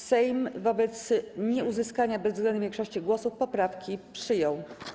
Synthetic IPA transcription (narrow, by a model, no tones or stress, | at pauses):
sɛjmvɔbɛt̪sɲɛuzɘskaɲabɛzvɡlɛnuvʲjɛŋkʂɔɕt͡ɕiɡwɔsufpɔpɾafkʲipʂɘjɔw